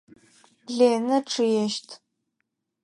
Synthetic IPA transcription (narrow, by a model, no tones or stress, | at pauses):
ɮeːnɐʈ͡ʂʰɨjɛʃtʰ